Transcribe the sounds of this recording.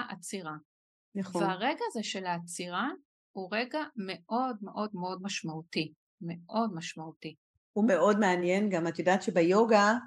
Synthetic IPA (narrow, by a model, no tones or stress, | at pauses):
aʔat͡siʁa | naχvveaʁeɡaːzeʃe̞laːt͡siʁa | huʁe̞ɡame̞ʔo̞dmeʔo̞dmeo̞dmaʃmauti | me̞ʔo̞dmaʃmauti | umeo̞dmeanjenɡamat̪jodaːt̪ʃebejoɡa